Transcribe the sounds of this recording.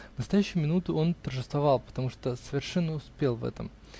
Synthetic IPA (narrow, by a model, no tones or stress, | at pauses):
vnəst̪ɐjæɕːɪjʊmʲɪnut̪ʊo̞nt̪ərʐɨst̪vɐvɑlˠpə̥t̪ɐmuʂt̪osəvʲɪrʂɛnːəʊspʲelˠvɛ̰t̪ə̰m